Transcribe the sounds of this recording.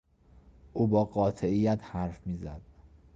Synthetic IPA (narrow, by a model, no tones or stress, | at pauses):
ʔuːbɒːɢɒːt̪ʰeijːæt̪ʰhæɾfmiːzæ̰d̪̥̚